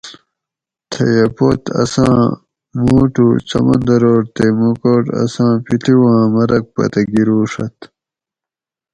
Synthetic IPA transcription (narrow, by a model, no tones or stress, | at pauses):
t̪ʰɐ̰jɐpot̪ʰɐ̰sãː | muːʈut͡sɐmɐ̃nd̪ɐɾoːʈt̪emukoːʈɐ̰sãːpit̪iwãːmɐɾɐk̚pɐ̰t̪ɐɡiɾuːʂɐt̪